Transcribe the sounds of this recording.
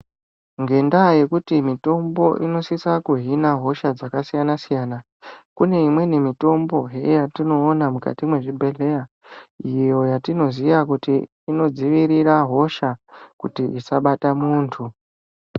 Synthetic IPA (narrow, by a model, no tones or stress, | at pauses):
ŋɡe̞ndaje̞kutimito̞mbo̞ʔino̞sisakuɦinaɦo̞ʃad͡zakasijanasijaːna | kune̞imwe̞nemito̞mbo̞ɦejatino̞ːnamuka̰timwe̞ʐibʱe̞ɮe̞ja | ijo̞jatino̞zijakutiː | no̞d͡ziʋiɾiraɦo̞ʃakutiʔisaɓatamuːntʰu